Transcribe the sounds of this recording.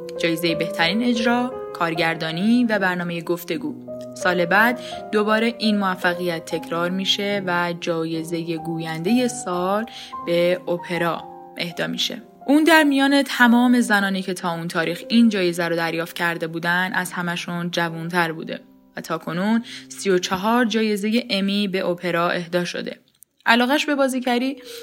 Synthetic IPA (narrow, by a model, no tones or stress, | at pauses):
d͡ʒɒːje̞zeje̞be̞ht̪ʰæɾiːne̞d͡ʒɾɒːkʰɒːɾɟæɾd̪ɒːniːvæbæɾnɒːmeje̞ɡo̞ft̪e̞ɡuː | sɒːle̞bæd̪ːo̞bɒːɾe̞ʔiːnmoæfːæɣijæt̪ʰːe̞cʰɾɒːɾmiːʃevæd͡ʒɒːje̞ze̞je̞ɡuːjænd̪e̞je̞sɒːl | b̥e̞opʰe̞ɾɒː | ʔe̞hd̪ɒːmḭʃe̞̰ | ʔuːnd̪æɾmijɒːne̞t̪ʰæmɒːme̞zænɒːniːcʰe̞t̪ʰɒːuːnt̪ʰɒːɾiːxind͡ʒɒːje̞zæɾod̪æɾjɒːft̪̚cʰæɾd̪e̞buːd̪ænd̪ʔæz̥hæmæʃund͡ʒævunt̪ʰæɾbṵːd̪e̞̰ | væt̪ʰɒːkʰo̞nuːnsijo̞t͡ʃʰeɦɒːɾd͡ʒɒːje̞ze̞je̞ʔemibe̞ʔopʰe̞ɾɒːʔe̞hd̪ɒːʃo̰d̪e̞̰ | ʔælɒːɣæʃbe̞bɒːziːcʰæɾiː